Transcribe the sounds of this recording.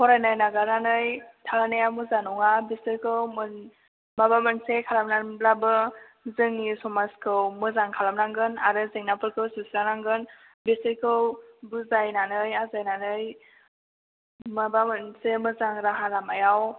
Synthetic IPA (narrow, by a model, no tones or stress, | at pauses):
kʰɔɾajnajnaɡananɯjtʰanajamɯzanɔŋabisɯjkʰɯwm | mabamɯnsekʰalamnablabɯ | zɯŋisɔmaskʰɯwmɯzaŋkʰalamnaŋɡɯnaɾɯzeŋnapɯɾkʰɯwsusɾanaŋɡɯn | bisɯjkʰɯwbuzajnanɯjazajnanɯj | mabamɯnsemɯzaŋɾaɦaɾamajaw